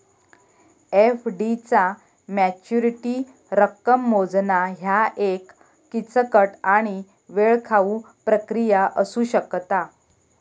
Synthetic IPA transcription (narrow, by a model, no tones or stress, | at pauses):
efɖit͡sa | mæt͡ɕuɾiʈi | ɾəkːəmːod͡znaɦjaʔekː | it͡səkəʈaɽ̃i | ʋeɭkʰau | pɾəkɾijaʔəsuːɕəkt̪a